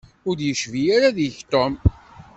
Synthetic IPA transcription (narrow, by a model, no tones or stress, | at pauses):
ʊɾjəʃvijaɾaðjəçt̪ˤom